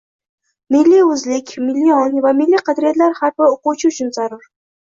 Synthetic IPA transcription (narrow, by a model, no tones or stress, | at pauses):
mɪlːijɵzlɪkʲmɪlːijɒnvamɪlːiqʰɑd̪ɾijat̪laɾhaɾbɪoqut͡ʃʰɪʊt͡ʃʰʊnzaɾʊɾ